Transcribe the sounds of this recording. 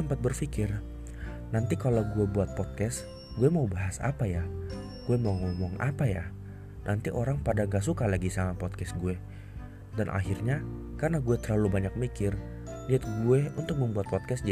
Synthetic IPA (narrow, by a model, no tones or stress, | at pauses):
əmpat̪̚bərfikɪr | nant̪ikalawɡuɛbuat̪̚pɔt̪̚kɛs | ɡuɛmaubaɦasa̰paja | ɡ̥uɛmauŋɔmɔŋa̰paja̰ | nʔant̪iʔoɾaŋpadaŋɡas̬ukalaɡisaŋapɔt̪̚kɛsɡuɛ | danʔa̰ɦirɲakarnaɡuɛt̪ərlalubaɲak̚mikɪr | liat̪̚ɡuɛunt̪ʊk̚məmbuat̪̚pɔt̪̚kɛsd͡ʒ